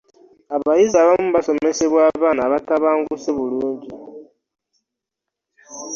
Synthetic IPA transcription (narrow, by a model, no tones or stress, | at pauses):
aβajizaβamuβaso̞me̞se̞βwaːβaːnaβataβaːŋɡuseβuluːɲɟi